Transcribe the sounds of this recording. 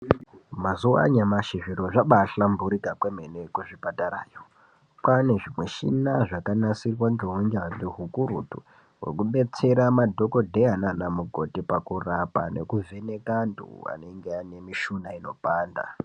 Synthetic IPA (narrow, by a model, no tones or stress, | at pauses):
mazuwa̰ɲamaʃiʐiɾoʐaɓaɬambuɾikakweme̞nekuʐipataɾaːjo | pane̞ʐimwe̞ʃinaʐakanasirwand͡ʒowiɲd͡ʒaniɦukuɾutṵ | wḛkuɓe̞t͡se̞ɾamadʱo̞ko̞dʱeananamuɡʱo̞tipakurapa̰ne̞̰kuve̞ne̞kantʰṵa̰ne̞ŋɡeane̞miʃunaino̞paːnda̰